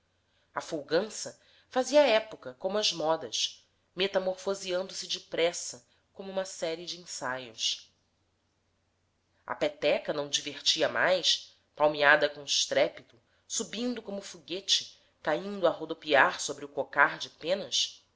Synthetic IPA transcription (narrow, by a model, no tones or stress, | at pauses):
ɐfowɡɐ̃sɐ | faziɐːɛpokɐkõmʊɐzmɔd̪ɐʃ | met̪amoɾfoziɐ̃nd̪ʊsɪd͡ʒɪpɾɛsɐ | kõmʊũmɐsɛɾiɪd͡ʒĩsajʊs | ɐ̰pet̪ɛkɐnɐ̃w̃d͡ʒiveχt͡ʃiɐmajs | pawmiad̪ɐkõɪʃt̪ɾɛpit̪ʊ | subĩnd̪ʊkõmʊfuɡet͡ʃɪ̥ | kaĩnd̪ʊaɦod̪opiaɾsobɾɪʊkokaɾd͡ʒɪpẽnɐs